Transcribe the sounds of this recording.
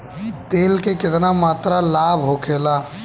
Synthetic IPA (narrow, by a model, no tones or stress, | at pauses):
t̪eːlkekɪt̪namaːt̪ɾalaːbʱɦokʰeːla